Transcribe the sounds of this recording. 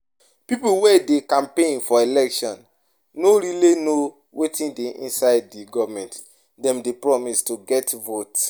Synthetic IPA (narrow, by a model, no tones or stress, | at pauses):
pipuwɛdekãmpẽnfɔelɛkʃɔ̃nː | oɾilino | wetĩndeʔḭ̃nsaɪddiɡɔvmɛ̃nt | dɛ̃mdepɹɔmistuɡɛtvot